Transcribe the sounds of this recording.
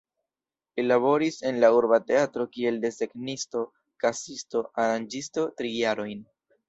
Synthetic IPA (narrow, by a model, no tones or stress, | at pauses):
lilaβo̞ɾise̞nlauɾbate̞atɾo̞kie̞lde̞se̞ɡnisto̞ | kasisto̞ʔaɾand͡ʒisto̞tɾijaɾo̞jn